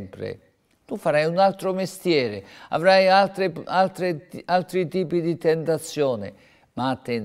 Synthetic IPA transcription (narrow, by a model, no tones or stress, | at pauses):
mpɾɪ̰ | t̪ufːaɾajunalt̪ɾomest̪jɛːɾɪa̰vɾajalt̪ɾealt̪ɾealt̪ɾit̪iːpid̪it̪ɛnt̪at̪sːjɔːnɪ̰ | mat̪ːɛn